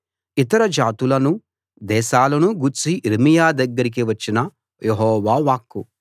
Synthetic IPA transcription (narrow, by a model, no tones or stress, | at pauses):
it̪ɐɾɐd͡ʒaːt̪ulɐnu | d̪ɛːʃaːlɐnuɡuɾt͡ʃiʔiɾmijaːd̪ɐɡːɐɾik̬iʋɐt͡ʃːinɐ | jeɦɔːʋaːʋaːkːu